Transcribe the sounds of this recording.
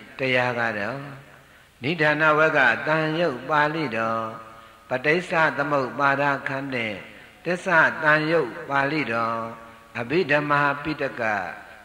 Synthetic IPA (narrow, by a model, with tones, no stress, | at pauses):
təja˨ɡa˨dɔ̃˨˦ | ni˨˦dã˨na̰˦˨wɛ˦ɡa̰˦˨t̪ã˨jo˦ʊʔpa˨lḭ˦˨dɔ̃˨ | pə˨te˦ɪsa˦˨t̪əmo˦ʊpa˨d̪a̰˦˨kʰã˦n̥ɪ̰̃˦˨ | t̪ɪ˦˨sa˦˨t̪ã˨jo˦ʊʔpa˨lḭ˦˨dɔ̃˨ | ʔə˨bi˦˨də˨ma˨pi˦˨tə˦ka̰˦˨